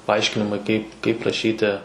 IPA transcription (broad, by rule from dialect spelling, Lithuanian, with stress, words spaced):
pɐˈɐɪʃʲkʲɪnʲɪmɐɪ ˈkɐɪp kɐɪp rɐˈʃʲiːtʲɪ